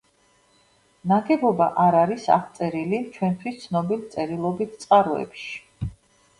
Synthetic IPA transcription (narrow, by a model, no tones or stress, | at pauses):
naɡɛbɔba̰ʔaɾaɾisa̰χʰt̪sʼɛɾilit͡ʃʰwɛnt̪ʰwist̪sʰnɔbilt̪sʼɛɾilˠɔbit̪̚ʰt̪sʼqʼaɾɔɛ̰pʃi̥